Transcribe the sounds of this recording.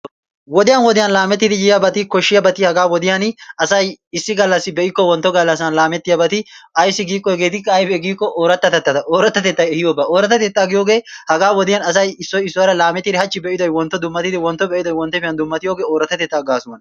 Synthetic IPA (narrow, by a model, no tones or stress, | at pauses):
wɔd̪ɪjɐnwɔd̪ɪjɐnlaːmɛt̪ːɪd̪ɪjɪjjɐbɐt̪ɪkɔʃːɪjɐbɐt̪ɪhɐɡaːwɔd̪ɪjɐnɐsɐjɪsːɪɡɐlːɐsːɪbɛʔɪkːɔwɔnt̪ːɔɡɐlːɐs̬ɐnlaːmɛt̪ːɪjɐbɐt̪ɪʔɐjsːɪɡiːkʼːɔɛɡe̞ːt̪ɪkːɐːjfɛɡiːkʼːɔʔoːɾɐt̪ːɐt̪ɛt̪ːɐt̪ɐʔoːɾɐt̪ːɐt̪ɛt̪ːɐjɛhɪjoːbɐoːɾɐt̪ːɐt̪ɛːt̪ːaːɡɪjoːɡe̞ːhɐɡaːwɔd̪ɪjɐnɐs̬ɐjɪsːɔjɪsːʊwɐɾɐlaːmɛt̪ːɪd̪ɪhɐt͡ʃːɪbɛʔɪd̪ɔjwɔnt̪ːɔd̪ʊmːɐt̪ːɪd̪ɪwɔnt̪ːɔbɛʔɪd̪ɔjwɔnt̪ːɔfɪjɐnd̪ʊmːɐt̪ɪjoːɡe̞ːoːɾɐt̪ːɐt̪ɛːt̪ːaːɡaːsʊwɐn